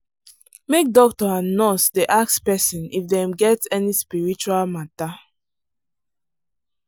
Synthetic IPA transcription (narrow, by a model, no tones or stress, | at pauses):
mek̚dɔk̚tɔãnːɔsdeʔakspɛsĩnifdɛ̃mɡɛtɛnispiɹit͡ʃualmata